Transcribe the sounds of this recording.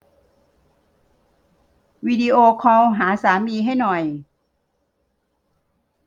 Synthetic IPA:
wiː˧diː˧ʔoː˧kʰɔː˧wɦaː˩˦saː˨˩˦miː˧ɦa˥˩jnɔ˨˩j

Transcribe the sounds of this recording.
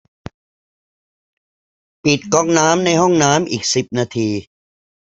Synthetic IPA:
pi˨˩t̪̚kɔ˧˩ŋ̚naː˦˥mna˧jɦɔ˥˩ŋnaː˦˥mʔiː˨˩k̚si˨˩p̚naː˧t̪ʰiː˧

